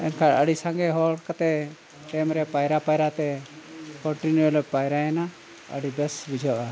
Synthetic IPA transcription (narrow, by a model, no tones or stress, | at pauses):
ɛ̰nkʰaɽəɽisaŋɡɛɦɔɽkat̪ɛ | ʈemɾɛpajɾapajɾat̪ɛ | kɔɳʈinjuelpajɾaɛna | ə̰ɽibɛsbid͡ʒʱɔʔa